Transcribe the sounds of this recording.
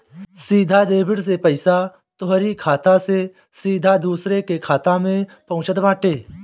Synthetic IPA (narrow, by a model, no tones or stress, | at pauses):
siːd̪ʱad̪eːbɪɽs̬epəɪsa | t̪ʊɦɾikʰaːt̪ãse | siːd̪ʱad̪uːsɾekekʰaːt̪ãmẽpɐɦʊ̃t͡ʃət̪ʋãːʈeː